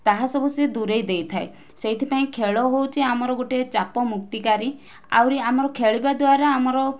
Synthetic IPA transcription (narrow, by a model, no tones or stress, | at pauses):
t̪aɦasɔbused̪uɾejd̪ejt̪ʰae | seɦit̪ʰipaĩkʰeɭɔɦowt͡ʃʰiamɔɾɔɡoʈet͡ʃapɔmuk̚t̪ikaɾi | a̰wɾiamɔɾɔkʰeɭibad̪waɾaːmɔɾɔ